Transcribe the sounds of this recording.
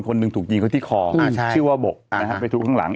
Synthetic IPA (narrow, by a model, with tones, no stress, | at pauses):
kʰo˧nːɯ˧ŋt̪ʰuː˨˩k̚t͡ɕi˧kʰa˥˩t̪iː˥˩kʰɔː˧˩ɯ˥˩əwaː˥˩bo˨˩k̚a˦˥kʰa˦˥pa˧jt̪ʰuː˦˥kʰa˥˩ŋla̰˩˦ŋ